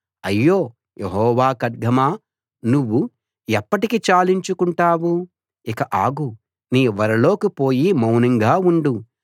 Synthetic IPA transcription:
ɐjːoː | jʔeɦɔːʋaːkɐd̪ɡʱɐmaː | nuʋːu | ɛpːɐʈikit͡ʃaːliɲt͡ʃukuɳʈaːwu | ikɐʔaːɡu | niːʋɐɾɐlo̞ːkipo̞ːjimɐwnɐŋɡaːuɳɖu

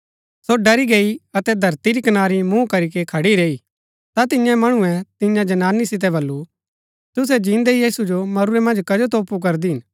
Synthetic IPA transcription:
soɖɐɾiɡeːiɐt̪ɛd̪ʱɐɾt̪iɾikɐnaːɾimũkɐɾikekʰɐɽiɾeːi | t̪at̪̬ɪjãmɐɽ̃uɛ̃t̪ɪ̃jãd͡ʒɐnaːnisɪt̪̬ɛbɐlːu | t̪ʊs̬ɛd͡ʒĩːnd̪eijiːsud͡ʒomɐɾʊɾɛmɐ̃nd͡ʒkɐd͡ʒot̪̬oːpuk̬ɐɾd̪iɦɪn

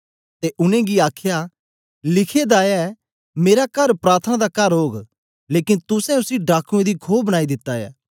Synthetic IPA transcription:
t̪eʔʊnẽɡiaːkʰja | lɪkʰed̪aːɛ | meːɾakɐɾpɾaːɾt̪ʰənad̪akɐɾɦoːɡ | leːkɪnt̪ʊsɛ̃ʊsiɖaːkʰũẽd̪ikʰoːbɐnaːid̪ɪt̪ːajɛ̰ː

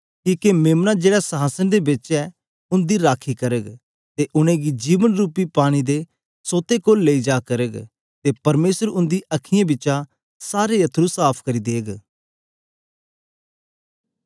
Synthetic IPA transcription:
kiːkemeːmnad͡ʒeːɽasɐɦaːsənd̪ebɪt͡ʃɛ | ʊ̃nd̪iɾaːkʰikɐɾəɡ | t̪eʔʊñẽɡid͡ʒiːʋənɾuːpipaːɽ̃id̪e | soːt̪ekoːlːeid͡ʒaːkɐɾəɡ | t̪epɐɾmeːsəɾʊ̃nd̪iʔɐkʰɪjãbɪt͡ʃa | saːɾejɐt̪ʰːɾusaːpʰkɐɾid̪eːɡ

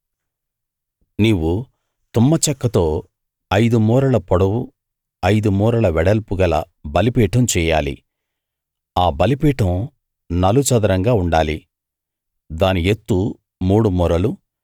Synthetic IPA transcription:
niːwu | t̪umːɐt͡ʃɐkːɐt̪o̞ː | ɐjd̪umuːɾɐɭɐpɔɽɐwu | ɐjd̪umuːɾɐlɐʋɛɽɐlpuɡɐlɐ̰ | bɐlipiːʈɐmt͡ʃɛːja̰ːlḭ | aːbɐlipiːʈɐ̃m | nɐlut͡ʃɐd̪ɐɾɐŋɡaːuɳɖaːli | d̪aːniet̪ːu | muːɽumuːɾɐlu

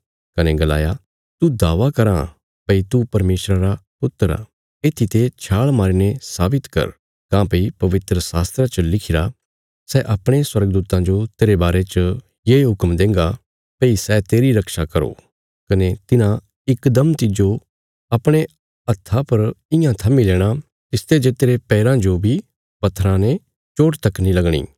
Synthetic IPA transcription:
kɐneɡɐla̰ːja | t̪ud̪aːʋakɐɾã | pɐit̪upɐɾmeːsɾaɾapʊt̪ːəɾa̰ | eːt̪ʰit̪et͡ʃʰaːɭmaːɾiːnesaːbɪt̪kɐ̰ɾ | kãːpɐipɐʋɪt̪ɾəsaːst̪ɾat͡ʃəlɪkʰɪɾa | sɛʔɐpɽ̃eswɐɾɡd̪uːt̪ãd͡ʒot̪eːɾebaːɾet͡ʃə | jeːɦʊkmd̪ẽːŋɡa | pɐisɛt̪eːɾiɾɐkʃakɐɾo̰ː | kɐnet̪ɪnã | ɪkd̪ɐmt̪ɪd͡ʒo | ɐpɽ̃e | ɐt̪ʰːapɐɾɪjãt̪ʰɐmileːɽ̃a | t̪ɪst̪ed͡ʒet̪eːɾepɛːɾãd͡ʒobʱi | pɐt̪ʰɾãne | t͡ʃoːʈt̪ɐkːnilɐɡɽ̃ḭː

